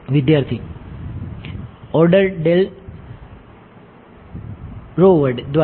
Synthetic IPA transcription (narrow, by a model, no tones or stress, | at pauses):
ʋid̪jaːɾt̪ʰi | ɔɾɖəɾɖel | ɾoʋəɖd̪ʋa